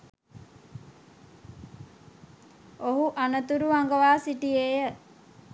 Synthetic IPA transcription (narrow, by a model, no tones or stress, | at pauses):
oɦuʔanət̪uɾuʋaŋɡəʋaːsiʈieːjə